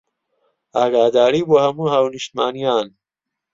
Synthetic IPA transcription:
aːɡaːd̪aːɽibohɐmuɦawniɕt̪maːnijaːn

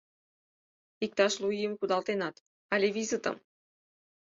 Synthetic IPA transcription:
ik̚t̪ɑʃlˠuijəmkud̪ɑlˠt̪enɑt̪ | ɑlʲevʲizɨt̪ɤ̰m

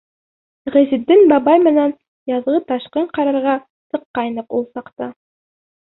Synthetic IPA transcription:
ʁɘ̆zɘ̆d̪ːɘnbɑbɑjmɘ̆næn | jɑðʁɤt̪ɑʃqɤɴqɑɾɑɾʁɑ | sɤ̆qːɑjnɤqulˠsɑqt̪ɑ

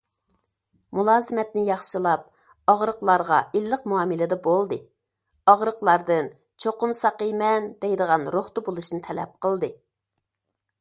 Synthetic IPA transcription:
mulˠɑːzɨmɛt̪nɪjɑχʃilˠɑp̚ | ɑʁɾəqlˠɑɾʁɑ̰ilːəqmuɑːmɨlɪd̪ɛbolˠd̪ɨ | ɑʁɾəqlˠɑɾd̪ɨn | t͡ʃʰoqʊnsɑqəjmɛnd̪ɛjd̪əʁɑnɾoχt̪ubolˠuʃnɨt̪ʰɛlɛ̰p̚qəlˠd̪ɨ

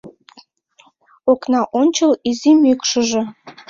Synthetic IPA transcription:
oknɑʔonʲt͡ɕəlizimykʃə̆ʒĕ

